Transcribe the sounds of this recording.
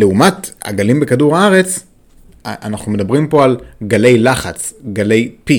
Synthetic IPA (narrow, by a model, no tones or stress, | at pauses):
leumata̰ɡalimbe̞kaduʁaaʁe̞t͡s | ʔanaχnume̞dabʁimpo̞alɡale̞jlaχat͡sɡale̞jpi